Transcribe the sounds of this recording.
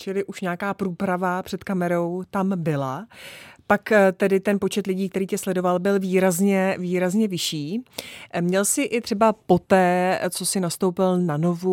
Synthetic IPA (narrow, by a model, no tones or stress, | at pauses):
t͡ʃɪlɪʔuʃɲaːkaːpɾuːpɾavapr̥ɛt̪kamɛɾo̞wt̪ambɪla | pakt̪ɛdɪt̪ɛnpo̞t͡ʃɛt̪lɪɟiːkt̪ɛɾiːcɛslɛdo̞valbɪlviːɾazɲɛviːɾazɲɛvɪʃiː | mɲɛlsɪʔɪt̪r̝̥ɛbapo̞t̪ɛːt͡so̞sɪnast̪o̞wpɪlnano̞vu